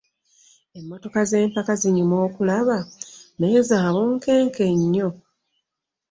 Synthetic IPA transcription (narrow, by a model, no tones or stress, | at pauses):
e̞mːo̞to̞kaze̞ːmpakaziɲumo̞ːkulaβaneːzaːβuːŋke̞ːŋke̞ɲːo̞